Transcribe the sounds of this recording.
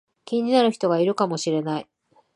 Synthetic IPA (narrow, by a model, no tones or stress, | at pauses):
kʲĩɲ̟ːinaɾɯ̟çi̥t̪o̞ɡaiɾɯ̟kamo̞ɕiɾe̞nai